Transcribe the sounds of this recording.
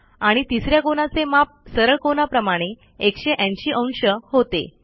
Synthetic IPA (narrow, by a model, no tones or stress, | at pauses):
aɽ̃it̪isɾjakonat͡semap̚səɾəɭkonapɾəmaɽ̃e | ekɕeʔaɲt͡ɕiːʔə̃w̃nɕəhot̪ḛ